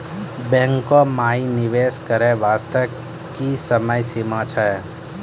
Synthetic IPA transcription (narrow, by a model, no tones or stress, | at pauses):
bɛ̃ːŋkomaːinɪʋeːskəɾeʋaːst̪ə | kisəməjsɪmãːt͡ʃʰaɛ